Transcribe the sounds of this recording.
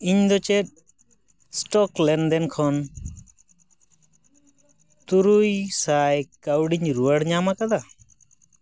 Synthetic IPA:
iɲd̪ɔt͡ʃɛt̪̚ˀ | sʈɔklɛnd̪ɛnkʰɔn | t̪uɾujsajkawɖiɲɾuwəɽɲamakad̪a

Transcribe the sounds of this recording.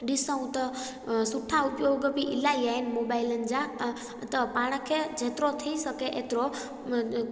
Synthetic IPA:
ɖisə̃w̃t̪ə | suʈʰːaupjoɡəpiʔilajajnmobailənd͡ʒa | t̪əpaɽ̃əkʰed͡ʒʱet̪ɾot̪ʰəisəkeʔet̪ɾo

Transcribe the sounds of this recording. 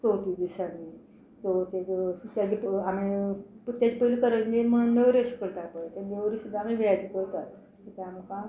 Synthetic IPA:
t͡sot̪id̪isani | t͡sot̪et̪jad͡ʑipamit̪jat͡ɕipəilikəɾənd͡ʑenm̤əɽ̃uːnneʋɾiaɕi̥kəɾt̪akpəet̪ad̪eʋɾisud̪ʱːamibʱiɭat͡ɕikəɾt̪at̪ | sot̪eamikã

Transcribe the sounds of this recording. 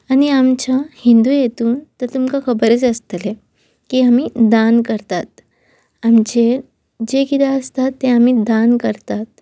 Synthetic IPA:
añiamt͡ɕahind̪ujet̪uːnt̪əɾt̪umkakʰəbəɾet͡səst̪əle | kiamid̪ankəɾt̪at̪̚ | amt͡ɕeɾ | d͡ʑekid̪aəst̪at̪ːeamid̪ankəɾt̪at̪̚

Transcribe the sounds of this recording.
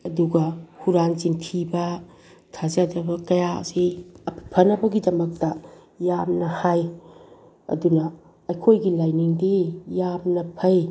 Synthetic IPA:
ɐduɡɐhuɾanzintʰibɐ | tʰazɐdɐbɐkɐja̰zeɐpʰipʰɐnɐbɐɡidɐmɐk̚tɐ | jamnɐhaj | ɐ̰dunɐ | ɐjkʰojɡilajniŋdijamnɐpʰɐj

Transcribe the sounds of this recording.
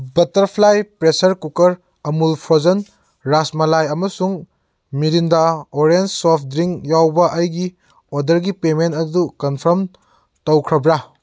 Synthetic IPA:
bɐtɐɾpʰlajpɾesɐɾkukɐɾ | ɐmulpʰozɐn | ɾasmɐlajɐmɐsuŋ | miɾindaoɾensopʰdɾiŋjawbɐʔɐjɡi | odɐɾɡipementɐdukɐnpʰɐɾm | tɐwkʰɾɐbɾa

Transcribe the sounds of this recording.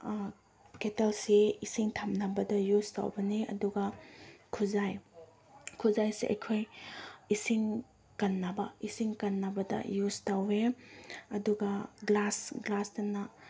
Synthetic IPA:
ketelsiisiŋtʰamnabɐdɐjusta̰wbɐniɐ̰duɡɐkʰuzaj | kʰuzajseʔɐ̰jkʰojisiŋ | kɐnːabɐisiŋkɐnːabɐdɐ̰justawe | ɐduɡɐɡlasɡlastɐnɐ

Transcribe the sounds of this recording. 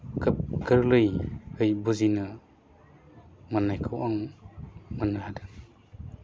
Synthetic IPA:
kɯp̚ɡʰɯɾlɯjhɯjbuzinɯ | manːajkʰɯwʔaŋ | mɯnahadɯ

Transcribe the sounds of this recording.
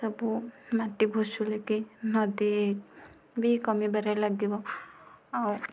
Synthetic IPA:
sɔbumaʈibʱosulekinɔd̪iek̚ | bikɔmibaɾajlaɡibɔ | aw

